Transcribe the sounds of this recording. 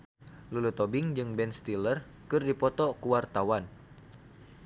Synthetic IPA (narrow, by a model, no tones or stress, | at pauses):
lulut̪obɪŋd͡ʒɨŋbɛnst̪ilər | kɨrdipɔt̪ɔkuwart̪awan